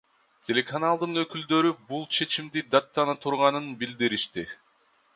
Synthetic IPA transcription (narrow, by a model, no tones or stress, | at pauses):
tʲʰe̞lʲe̞kanalˠd̪ɯnø̞kyld̪ø̞ɾybulˠt͡ʃʰe̞t͡ʃimd̪id̪at̪ːɑnat̪ʰuɾʁɑnɯnbild̪iɾiʃt̪i